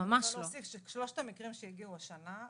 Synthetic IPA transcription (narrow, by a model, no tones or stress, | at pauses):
amaʃlosifʃʃlo̞ʃtamikʁimʃejiɡiuaʃana